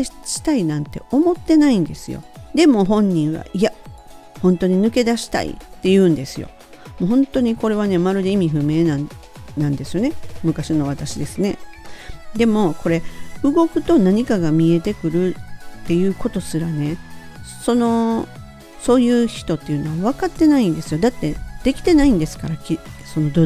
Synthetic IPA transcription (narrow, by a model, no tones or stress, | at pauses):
ɕi̥t̪ainãnt̪e̞̰o̞mo̞t̪ːe̞naĩnd̪e̞sɨjo̰d̪e̞mo̞ɦõ̞ɲ̟ːĩɰ̃βa̰iahõ̞nt̪o̞ɲ̟inɯ̟ke̞d̪aɕi̥t̪a̰ḭt̪ːe̞jɯ̟̃ːnd̪e̞sɨjo̞̰ | moɦõ̞nt̪o̞ɲ̟iko̞ɾe̞β̞ane̞maɾɯ̟d̪e̞imʲiɸɯ̟me̞ːnã | nãnd̪e̞sɨjo̞ne̞mɯ̟kaɕino̞βat̪aɕid̪e̞sɨne̞ | d̪e̞mo̞ko̞ɾe̞ɯ̟ɡo̞kɯ̟t̪o̞naɲ̟ikaɡamʲie̞t̪e̞kɯ̟ɾɯ̟t̪ːe̞jɯ̟ːko̞t̪o̞sɨɾane̞ | so̞no̞ | so̞ːjɯ̟ːçi̥t̪o̞t̪ːe̞jɯ̟no̞βaβakat̪ːe̞naĩnd̪e̞sɨjo̞d̪at̪ːe̞d̪̥e̞kʲi̥t̪e̞naĩnd̪e̞sɨ̥kaɾakʲiso̞no̞d̪